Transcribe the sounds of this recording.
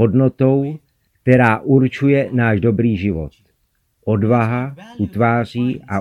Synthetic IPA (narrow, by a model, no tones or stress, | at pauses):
odno̞t̪o̞w | k̚t̪ɛɾaːʔuɾt͡ʃujɛnaːʒdo̞bɾiːʒɪvo̰t̪ | ʔo̞dvaɦaʔut̪vaːr̝iːʔʔa